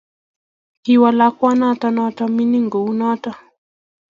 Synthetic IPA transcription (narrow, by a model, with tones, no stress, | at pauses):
hiwa˨lakwa˦natɔnɔtɔmi˦ni˦ŋɡo˨u˦nɔ˦tɔ˦